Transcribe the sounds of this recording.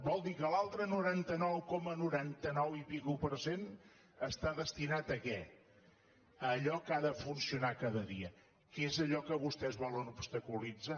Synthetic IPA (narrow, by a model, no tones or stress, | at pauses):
bɔlˠd̪ikəlalˠt̪ɾənuɾant̪ənɔwkɔmənuɾant̪ənɔwipikupəɾsen | əst̪aðəst̪inat̪əkɛ | əʎɔkaðəfunsiunakaðəðiə | kezəʎɔkəβust̪ɛzβɔlənubst̪əkulid͡za